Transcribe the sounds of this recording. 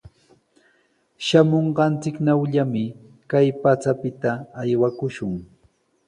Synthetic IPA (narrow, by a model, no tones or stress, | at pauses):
ʃamoɴɢɑnt͡sɪknawʎamɪ | kajpat͡sapɪt̪aːjwakʊʃʊŋ